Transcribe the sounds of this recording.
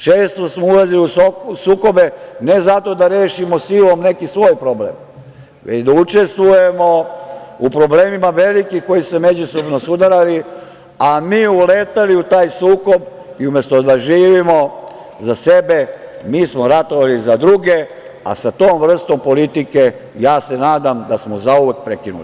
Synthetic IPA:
t͡ʃeːst̪osmoulaziliusosuːko̞be̞ne̞zat̪o̞d̪aɾe̞ːʃimosilo̞mne̞kisʋo̞ːjpɾo̞blḛːm | ʋet͡ɕd̪aut͡ʃe̞st̪ʋuje̞mo̞upɾo̞bleːmimaʋe̞likixko̞jisuseme̞d͡ʑuso̞bnosud̪aɾali | amiːuleːt̪aliut̪aːjsuːko̞b | iumje̞st̪od̪aʒiːʋimo̞ | zasebe̞miːsmoɾat̪oʋalizad̪ɾuɡe̞ | a̰sat̪oːmʋr̩st̪o̞mpo̞lit̪ike | jaːse̞naːd̪amd̪asmozauʋek̚pɾekinṵlḭ

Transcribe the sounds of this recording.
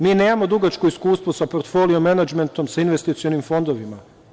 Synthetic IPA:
miːne̞ːmamo̞d̪uɡat͡ʃkuiskuːst̪ʋusapoɾt̪fo̞ːliomenad͡ʒment̪o̞msainʋest̪it̪sio̞nimfo̞nd̪o̞ʋima

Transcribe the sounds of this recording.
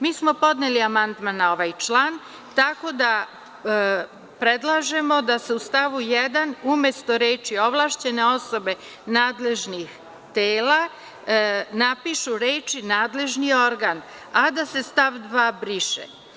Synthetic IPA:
miːsmo̞po̞d̪neliamand̪manao̞ʋajt͡ʃlˠaːn | t̪ako̞d̪a | pɾed̪lˠaʒe̞mo̞d̪ase̞ust̪aʋujed̪anumje̞st̪o̞ɾeːt͡ʃio̞ʋlˠaʃt͡ɕe̞ne̞o̞so̞be̞ | naːd̪le̞ʒnix | t̪eːla | napiʃuɾeːt͡ʃinaːd̪le̞ʒnio̞ɾɡan | ad̪ase̞st̪aʋd̪ʋaːbɾiʃḛ

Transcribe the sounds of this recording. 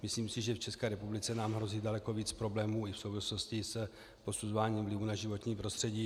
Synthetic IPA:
mɪsliːmsɪʒɛft͡ʃɛskɛːɾɛpublɪt͡sɛnaːmɦɾo̞ziːdalɛko̞viːt͡spɾo̞blɛːmuːɪfso̞wvɪslo̞scɪs | po̞suzovaːɲiːmvlɪvunaʒɪvo̞t̪ɲiːpɾo̞st̪r̝̥ɛɟiː

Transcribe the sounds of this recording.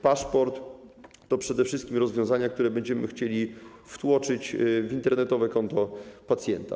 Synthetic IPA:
paʂpɔɾt̪ː | ɔpʂɛd̪ɛfʂɘst̪̚kʲimɾɔzvʲjɔ̃w̃zaɲak̚t̪uɾɛbɛɲd͡ʑɛmɘ̰xt͡ɕelʲift̪wɔt͡ʂɘt͡ɕvʲint̪ɛɾnɛt̪ɔvɛkɔnt̪ɔpat̪sʲjɛnt̪a̰

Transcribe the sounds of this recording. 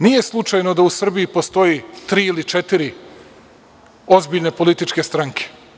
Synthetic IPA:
niːje̞slˠut͡ʃajno̞d̪ausr̩bijipo̞st̪o̞jit̪ɾiːilit͡ʃet̪iɾi | o̞zbiːʎne̞po̞lit̪it͡ʃke̞st̪ɾaŋkʰe̥

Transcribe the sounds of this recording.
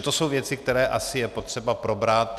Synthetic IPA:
t̪o̞so̞wvjɛt͡sɪk̚t̪ɛɾɛːʔasɪjɛpo̞t̪r̥ɛbapɾo̞bɾat̪

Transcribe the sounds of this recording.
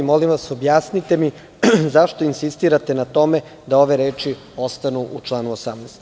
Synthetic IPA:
mo̞limʋaso̞bjaːsnit̪e̞mi | zaʃt̪o̞insist̪iːɾat̪e̞nat̪o̞me | d̪ao̞ʋe̞ɾeːt͡ʃi | o̞st̪anuʔut͡ʃlˠaːnuosamnɛːst̪

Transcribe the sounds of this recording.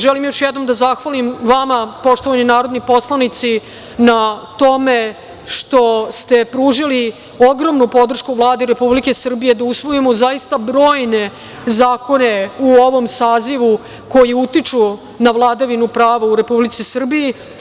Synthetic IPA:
ʒɛlimjo̞ʃjɛd̪no̞md̪azaxʋalimʋamapo̞ʂt̪oʋaninaːɾo̞d̪nipo̞slˠanit̪si | nat̪o̞me | ʂt̪o̞st̪e̞pɾuːʐili | o̞ɡɾo̞mnupo̞d̪r̩ʃkuvlˠaːd̪eɾe̞publike̞sr̩bije̞d̪ausʋo̞jimozaist̪abɾo̞ːjne̞ | zaːko̞ne̞uo̞ʋo̞msaːziʋu | ko̞jiut̪it͡ʂu | navlˠaːd̪aʋinupɾaːʋauɾe̞publit̪sisr̩biji

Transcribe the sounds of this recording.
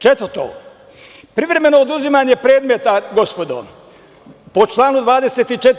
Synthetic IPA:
t͡ʃet̪ʋəɾt̪o̰ | pɾiʋɾe̞me̞noːd̪uzimaːɲe̞pɾe̞ːd̪met̪aɡo̞spo̞d̪o̰ | po̞t͡ʃlˠaːnud̪ʋaːd̪e̞se̞ːt̪it͡ʃet̪

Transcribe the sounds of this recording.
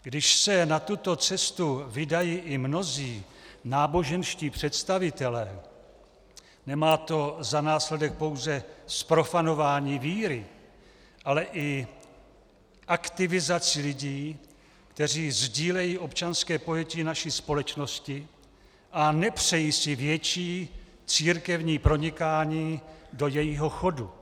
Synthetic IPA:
ɡdɪʃsɛnat̪ut̪o̞t͡sɛst̪uvɪdajiːʔɪmno̞ziːnaːbo̞ʒɛnʃciːpr̝̥ɛt̪st̪avɪt̪ɛlɛː | nɛmaːt̪o̞zanaːslɛdɛk̚po̞wzɛspɾo̞fano̞vaːɲiːviːɾɪ | ʔalɛʔɪ | ʔakt̪ɪvɪzat͡sɪlɪɟiː | kt̪ɛr̝iːzɟiːlɛjiːʔo̞pt͡ʃanskɛːpo̞jɛcɪnaʃispo̞lɛt͡ʃno̞scɪ | ʔanɛpr̝̥ɛjiːsɪvjɛt͡ʃiː | t͡siːɾkɛvɲiːpɾo̞ɲɪkaːɲiːdo̞jɛjiɦo̞xo̞du

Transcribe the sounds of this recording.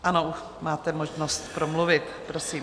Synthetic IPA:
ʔanou | maːt̪ɛmoʒnost̪pɾomluvɪt̪pɾo̞siː

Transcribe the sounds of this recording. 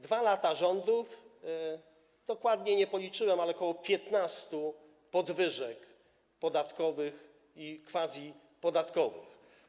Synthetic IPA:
d̪valat̪aʐɔnd̪uf | d̪̥ɔkwad̪ɲɛɲɛpɔlʲit͡ʂɘwɛmalɛkɔwɔpʲjɛt̪nast̪u | pɔd̪vɘʐɛk | pɔd̪at̪kɔvɘx | ikfazʲji | pɔd̪at̪kɔvɘ̰x

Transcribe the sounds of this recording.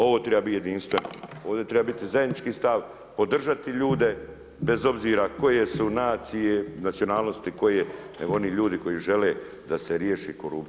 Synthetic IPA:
o̞ʋo̞ːt̪ɾebabit̪jed̪inst̪ʋeno̰oːʋd̪et̪ɾe̞babit̪izajed̪nit͡ʃkiːst̪aʋ | po̞d̪r̩ʒat̪iʎuːd̪e̞ | be̞zo̞bziːɾako̞je̞sunaːt̪sije̞nat̪sio̞naːlˠnost̪iko̞jene̞ɡoo̞niʎuːd̪iko̞jiʒe̞le | d̪aseɾjeːʃikoɾup̪

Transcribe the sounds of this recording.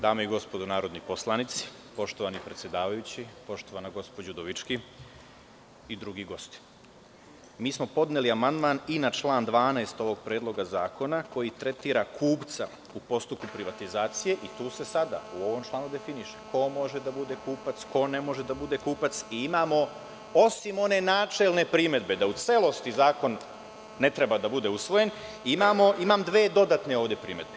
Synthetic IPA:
d̪aːmeiɡo̞spo̞d̪unaːɾo̞d̪niposlˠanit̪si̥ | po̞ʃt̪o̞ʋanipɾe̞t̪sjed̪aːʋajut͡ɕipo̞ʃt̪oʋanaɡo̞spod͡ʑud̪oʋit͡ʃki | id̪ɾuɡiɡo̞st̪i̥ | miːsmopo̞d̪neliamand̪maninat͡ʃlˠaːnd̪ʋaːnaest̪o̞ʋo̞ɡpɾeːd̪lˠo̞ɡazaːko̞nako̞jit̪ɾe̞t̪iːɾakʰuːpt̪sa | upo̞st̪up̚kupɾiʋat̪izaːt̪sije̞ʔit̪uːse̞sad̪a̰uo̞ʋo̞mt͡ʃlˠaːnud̪e̞finiʃeko̞mo̞ʒed̪abud̪e̞kuːpat̪sko̞ne̞mo̞ʒe̞d̪abud̪e̞kuːpat̪siimaːmo̞ | o̞simo̞ne̞naːt͡ʃe̞lne̞pɾime̞d̪be̞d̪aut̪se̞lˠo̞st̪izaːko̞nː | e̞t̪ɾebad̪abud̪e̞usʋo̞jen | imaːmo̞ʔimamd̪ʋeːd̪o̞d̪at̪ne̞o̞ːʋd̪je̞pɾḭme̞d̪̚be̞

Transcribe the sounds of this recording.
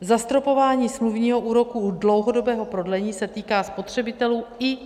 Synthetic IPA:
zast̪ɾo̞po̞vaːɲiːsmluvɲiːɦo̞ʔuːɾo̞kudlowɦodo̞bɛːɦo̞pɾo̞dlɛɲiːsɛt̪iːkaːspo̞t̪r̝̥ɛbɪt̪ɛluːɪ

